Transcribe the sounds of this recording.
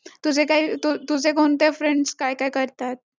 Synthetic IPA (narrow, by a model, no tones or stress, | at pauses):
t̪usekait̪ut̪us̬ekont̪efɾeɳɖskajkaːikəɾt̪at̪̚